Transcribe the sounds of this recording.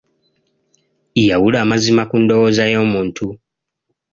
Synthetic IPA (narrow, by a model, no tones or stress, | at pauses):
ijawulaːmazimakundo̞woːzajo̞ːmuːntu